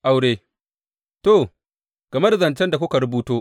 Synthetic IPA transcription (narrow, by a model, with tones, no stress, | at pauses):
ʔa˨wɽeː˦ | to˨ | ɡ̥ɐ˨mɐ˦dzɐ˨nt͡ʃɐ˦nda˨kʷʊ˦ka˨ɾʊ˦buː˦toː˦